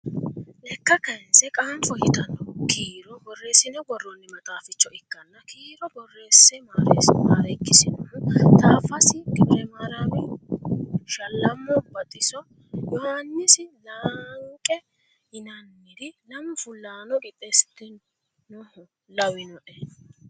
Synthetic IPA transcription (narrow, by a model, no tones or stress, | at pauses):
lɛkːɐkɐjɛnsɛkʼaːmfɔhɪt̪ɐnɔkʰiːɾɔbɔrːeːsɪnɛɡɔrːɔnːɛmɐt̪ʼaːfɪt͡ʃːɔɪkːɐnːɐkʰiːɾɔbɔrːe̞ːsːɛmaːɾḛsmaːɾɐkːɪsɪnɔʊt̪aːfɐsɪkɾɛmɐɾɐbɛ | ʃɐlːɐmːɔbɐt̪ʼɪsɔ | jɔhanːɪsɪlaːŋkʼɛ | ɪnɐnːɪd̪ɪlɐmfʊlːaːnɔɡɛt̪ʼesɪt̪ːɪnː | ʊhʊ | lɐwɪnɔᶑɛ